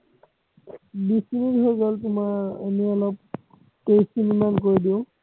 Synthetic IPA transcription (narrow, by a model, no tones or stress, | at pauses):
bisinidʱɔɹɡɔltʊmaɹeniɔlɔp̚ | kejsinimankoɹidiʊ̃